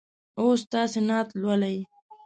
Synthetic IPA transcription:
ost̪ɑːsenɑːt̪lwalaji

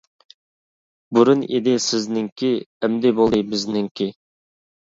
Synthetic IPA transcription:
buɾunḛd̪ɪsɪznɪŋkʲʰiɛmd̪ɪbolˠɨjbɪznɪŋkʲi

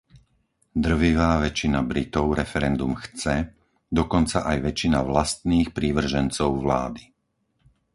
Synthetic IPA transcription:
d̪r̩ʋiʋaːʋɛt͡ʃinabɾit̪ɔʊɾɛfɛɾɛnd̪umxt͡sɛ | d̪ɔkɔnt͡saʔajʋɛt͡ʃinaʋlast̪niːxpɾiːʋr̩ʒɛnt͡sɔʊʋla̰ːd̪i

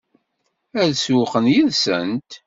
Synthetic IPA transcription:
æðswʊqənjiðsə̰nt̪

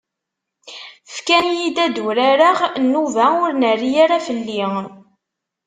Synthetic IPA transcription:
fkænjid̪æd̪uɾaɾaʁnːuvæʊɾnərːijaɾafəlːi

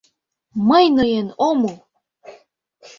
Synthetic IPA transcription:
məjnɤjenomu

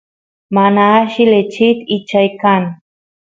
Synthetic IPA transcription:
manaːʃilet͡ʃit̪it͡ʃajkan

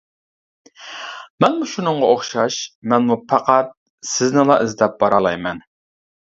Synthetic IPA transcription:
mɛnmuʃunɨɴʁɑoχʃɑʃmɛnmupʰɑqæt̪̚ | sɪznɪlˠɑʔɪzd̪ɛp̚b̥ɑɾɑlˠɑjmɛn

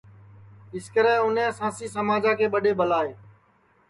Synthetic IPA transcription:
ɪskəɾɛ̃ːʊnɛ̃ːsãːsiːsəmaːd͡ʒãːkʰeːɓəɗeːɓəlaːeː

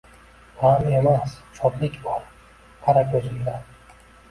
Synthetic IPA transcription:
h̪ʰame̞mast͡ʃʰɒb̪lɪkʲbɒɾ | qʰɑɾakʲʰozɪlaɾ

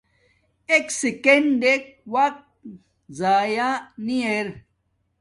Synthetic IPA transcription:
eksikeɳɖek̚wak̚t̪̚ | zaːjanieɾ

